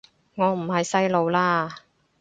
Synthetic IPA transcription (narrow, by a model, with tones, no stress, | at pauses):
ŋɔː˨˧m̩˨˩hɐ˨jsɐ˥jlo˨˧wlaː˥